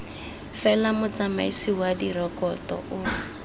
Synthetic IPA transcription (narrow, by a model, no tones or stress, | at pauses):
fɛlamʊt͡sama̰isiwadiɾɔkɔtɔ̰ʔʊ